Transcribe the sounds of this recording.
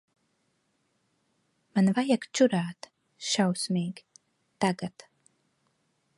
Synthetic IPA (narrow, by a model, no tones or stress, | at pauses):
manvajakt͡ʃuɾaːt̪ | ʃawsmiːɡ | t̪aɡat̪